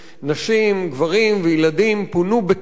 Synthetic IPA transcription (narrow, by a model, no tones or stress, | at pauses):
naʃimɡvaʁimvejilad̪impunube